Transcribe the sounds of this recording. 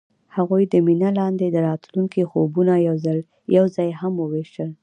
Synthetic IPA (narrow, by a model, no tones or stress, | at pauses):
haɣujd̪əminalɑnd̪ed̪əɾɑt̪luŋkixobunajawzal | jawzɑjhamwəweʃəl